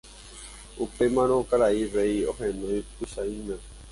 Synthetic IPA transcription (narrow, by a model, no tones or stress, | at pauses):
upemãɾ̃õkaɾairejohenõĩpuʃaĩnã